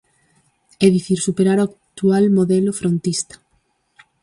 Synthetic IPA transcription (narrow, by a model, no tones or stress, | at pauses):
ɛðiθiɾsupeɾaɾoakt̪ualmoðɛlʊfɾont̪ist̪ḁ